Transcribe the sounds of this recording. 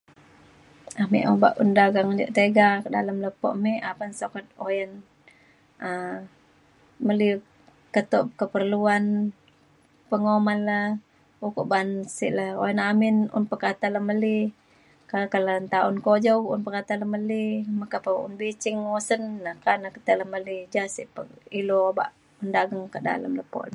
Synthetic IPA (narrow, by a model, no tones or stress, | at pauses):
amḭʔoba̰ʔundaɡaŋd͡ʒə̰ʔt̪eɡakda̰ləmləpɔ̰ʔmiʔapansokat̪̚ojən | ə | məli | kət̪ɔʔp̚kəpərluan | pəŋomalə | ukuʔbansḭʔləho̰jənamɪnʊ̰npəkat̪aləməli | kakalant̪aʊnkod͡ʒokʔunpəkat̪aləməlimakapəṵnbit͡ʃɪŋosənːakanakə̥t̪ələhməlid͡ʒasiʔpəiloba̰ʔ | undaɡəŋkəda̰lə̰mləpo̰la